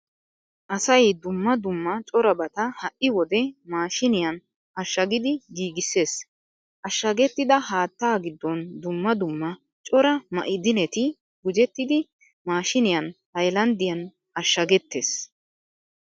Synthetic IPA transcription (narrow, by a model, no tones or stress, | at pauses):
ʔɐsɐjd̪ʊmːɐd̪ʊmːɐt͡ʃʼɔɾɐbɐt̪ɐhɐʔɪwɔd̪ɛmaːʃɪnɪjɐn | ɐʃːɐɡɪd̪ɪɡiːɡɪsːe̞ːs | ʔɐʃːɐɡɛt̪ːɪd̪ɐhaːt̪ːaːɡɪd̪ːɔnd̪ʊmːɐd̪ʊmːɐ | t͡ʃʼɔɾɐmɐ̰ʔɪd̪ɪnɛt̪ɪ | ɡʊd͡ʒɛt̪ːɪd̪ɪ | maːʃɪnɪjɐnhɐjlɐnd̪ɪjɐn | ɐʃːɐɡɛt̪ːeːs